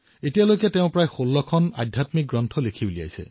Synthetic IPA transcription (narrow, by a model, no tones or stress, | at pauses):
etijalojkɛteʊ̃pɹajxolːɔkʰɔna̰dʱjatmik̚ɡɹɔntʰɔlekʰibolia̰jsɛ̰